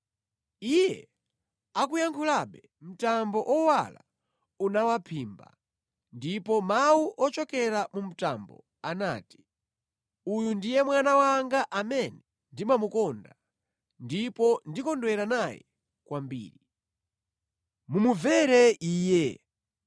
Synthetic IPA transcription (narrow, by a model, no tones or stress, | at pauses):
ijɛ | akujaŋkʰulaɓɛ | m̩tambɔʔɔwa̰la̰ | unawapʰiːmba̰ | ndipɔmawuʔɔt͡ʃɔkɛɾamum̩ta̰mbɔ̰ | ana̰ːti̥ | ujundijɛmwanawaŋɡaʔamɛnɛ | ndimamukɔnda | ndipɔndikɔndwɛɾanajɛ̰ | kwambḭːɾi | mumuvɛɾɛiːjɛ